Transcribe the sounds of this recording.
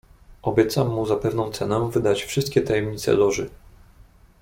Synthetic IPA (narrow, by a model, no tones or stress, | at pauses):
ʔɔbʲjɛt̪samːuzapɛvnɔ̃w̃t̪sɛnɛvɘd̪at͡ɕfʂɘst̪̚kʲɛt̪ajɛmɲit̪sɛ̰lɔʐɘ